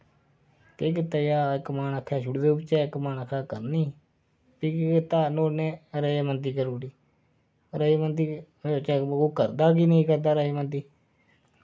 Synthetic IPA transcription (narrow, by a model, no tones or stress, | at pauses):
k̪eːk̬ɪt̪aːjaːɪkːmaːnəkʰːɛːʃʰʊɽd̪eupt͡ʃɛːɪkmaːnəkʰːaːkəɾniː | piːkːkɪt̪aːnoːneːɾəeːmənd̪iːkəɾoːɽiː | ɾəemənd̪iː | ot͡ʃːkoːkəɾd̪aːk̬iːnəĩːkəɾd̪aːɾəeːmənd̪iː